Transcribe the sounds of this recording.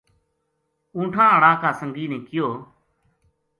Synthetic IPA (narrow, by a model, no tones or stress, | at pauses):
ũːʈʰãːəɳãːkaːsəŋɡiːnẽːkɪjoː